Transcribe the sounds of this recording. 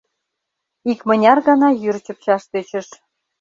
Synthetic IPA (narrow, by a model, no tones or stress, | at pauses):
ikmə̆nʲɑrɣɑnɑjyrt͡ɕə̆p̚t͡ɕɑʃt̪øt͡ɕə̆ʃ